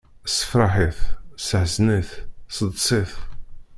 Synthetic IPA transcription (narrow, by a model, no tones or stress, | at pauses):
sə̥fɾˤɑħiθsəʕznəθsəd̪ˤsˤɪθ